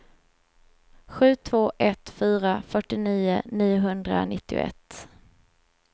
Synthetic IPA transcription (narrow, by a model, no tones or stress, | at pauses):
ɧʉ̟ːt̪ʰv̥oːʔɛt̪fyːɾafœʈɪniːʊniːʊɦɵnd̪ɾa̰nɪt̪ːɪʊ̰ʔɛ̰t̪ː